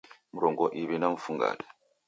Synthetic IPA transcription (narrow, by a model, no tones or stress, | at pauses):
m̩ɾɔŋɡɔʔiβɛnaɱ̩fuŋɡa̰la